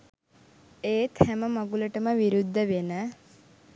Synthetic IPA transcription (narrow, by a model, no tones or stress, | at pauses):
eːt̪hæməmɐɡuləʈəməʋiɾud̪ʱːəʋenə